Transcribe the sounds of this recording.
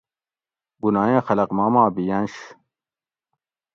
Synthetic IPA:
bunaːjẽːxɐlɐqmaːmaːbijɐnɕ

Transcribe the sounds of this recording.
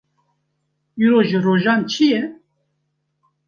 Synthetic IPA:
iɾoːʒɨroːʒɑːnt͡ʃʰijɛ

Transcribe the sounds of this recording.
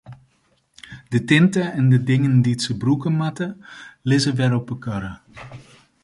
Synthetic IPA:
dətɪntəɛndədɪŋəndiətsəbrukəmatəlɪzəʋɛɾɔpəkɑɾə

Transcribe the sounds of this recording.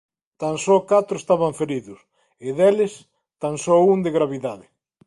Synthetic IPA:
t̪ansɔkat̪ɾʊest̪aβaɱfeɾiðʊs | ɪðelɪs | t̪aŋsɔuŋd̪eɣɾaβiðaðɪ

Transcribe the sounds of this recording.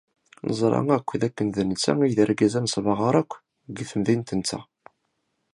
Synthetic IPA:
nə̰zˤɾˤɑ̰ŋækʷːðækːənðənət͡sːæ̰ŋiðəɾɡæzænsˤvɑʁəɾˤækʷː | ɡθəmðint̪ənt͡sːæ̰

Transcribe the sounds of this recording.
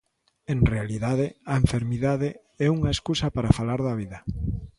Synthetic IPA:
eŋrealiðaðeɐeɱfeɾmiðaðe | ɛuŋaeskusɐpaɾafalaɾðɐβiðɐ

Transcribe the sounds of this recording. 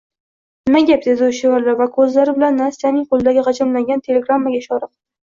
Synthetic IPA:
nɪmaɡʲap̚d̪e̞d̪ɪʊʃɪvaɾlavakʰɵzlaɾɪbɪlanːasijanɪŋqolˠɪd̪aɡʲɪqʰɑt͡ʃʰamlaŋɡʲant̪ʰe̞lʲeɡɾamːaɡʲaʃɒɾɨq̚

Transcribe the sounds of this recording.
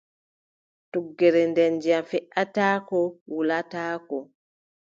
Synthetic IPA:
tuɡːɛɾɛndɛnd͡ʒijafɛʔataːkɔwulataːkɔ

